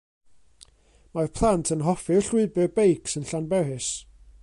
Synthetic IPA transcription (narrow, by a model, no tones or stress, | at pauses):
marpʰlˠantʰənɦɔfɨɬwɪɨbɨbejkʰsənɬanbɛɾɨs